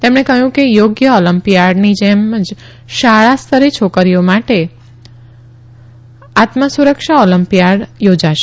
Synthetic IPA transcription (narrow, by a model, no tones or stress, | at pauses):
t̪emɳekəɦjũkejoɡjəɔləmpijaɖnid͡ʒemd͡ʒ | ʃaɭast̪ʰəɾet͡ʃʰokəɾijomaʈe | at̪məsuɾəkʃaɔləmpijaɖjod͡ʒaʃe